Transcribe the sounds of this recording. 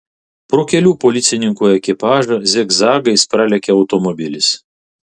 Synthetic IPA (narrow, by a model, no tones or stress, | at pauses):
pɾoːkʲɛlʲuːpɔlʲɪt̪sʲɪnʲɪŋkuːɛkʲɪpɑːʒɐzʲɛɡzɑːɡɐɪspɾɑːlʲɛkʲɛɐʊt̪ɔmɔbʲɪlʲɪs